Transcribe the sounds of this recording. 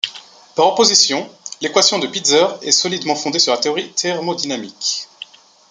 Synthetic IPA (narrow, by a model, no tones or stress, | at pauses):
paʁɔpozisjɔ̃lekwasjɔ̃d̪əpid̪zœʁɛ̰sɔlid̪mɑ̃fɔ̃d̪esyʁlat̪eɔʁit̪ɛʁmod̪inamik